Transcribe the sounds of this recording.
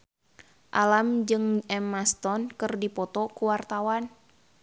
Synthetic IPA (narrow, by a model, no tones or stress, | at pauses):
ʔalamd͡ʒɨŋɛmast̪ɔnkɨrdipɔt̪ɔkuwart̪awan